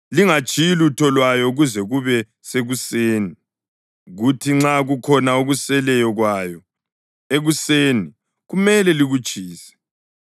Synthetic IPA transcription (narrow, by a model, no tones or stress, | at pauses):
liŋat͡ʃʼilutʰɔlwajɔuɣuzɛɣuβɛ | seɣuseːni | ɣutʰiŋ͡ǁaɣukʰɔnauɣusɛlɛjɔɣwaːjɔ | eɣuseːni | ɣumɛlɛliɣut͡ʃʼiːsɛ̥